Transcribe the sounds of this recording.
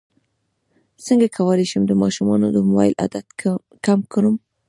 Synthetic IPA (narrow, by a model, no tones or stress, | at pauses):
səŋɡakʰawaleʃəmd̪əmɑʃumɑnod̪əmʊwɑ̰jlʔa̰d̪at̪ | kamkəɾum